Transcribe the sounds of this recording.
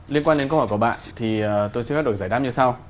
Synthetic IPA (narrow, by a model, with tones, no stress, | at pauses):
li˧ənkwaː˧ne˧kə˧whɔ˧˩ku˧˩ɓa̰ː˧˨nt̪ʰi˨˩˨t̪o˧jsɨ˧x̚o˨˩zaː˧˩jɗa˦˥mɲɨ˧sa˧w